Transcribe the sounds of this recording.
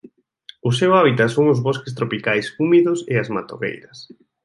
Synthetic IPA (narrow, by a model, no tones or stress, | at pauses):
ʊsewaβit̪asoŋʊzβɔskɪs̬t̪ɾopikajsumiðʊseazmat̪oɣḛjɾɐs